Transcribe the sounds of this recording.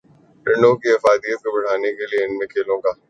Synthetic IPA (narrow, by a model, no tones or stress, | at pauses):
ɾɪɳɖõkiɐfaːd̪ijət̪̚kobɐɽ̤aːnekelieɪnmẽkʰeːlõːɡaː